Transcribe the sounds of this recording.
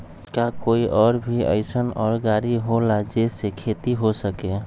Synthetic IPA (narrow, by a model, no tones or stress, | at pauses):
kakoːiʔɔːɾbʱiə̰ɪsənɔːɾɡaːɾiɦolad͡ʒesekʰet̪iɦosəke